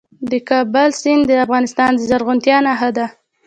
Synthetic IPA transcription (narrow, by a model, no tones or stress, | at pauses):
d̪əkɑbalsɪnd̪əafɣɑnɪst̪ɑnd̪əzaɾɣʊnt̪jɑnaɦad̪a